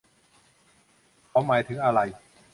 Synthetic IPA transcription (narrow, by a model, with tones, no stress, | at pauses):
kʰa˨˦˥wmaː˨˦jt̪ʰɯ˩˦ŋʔa˧ɾa˧j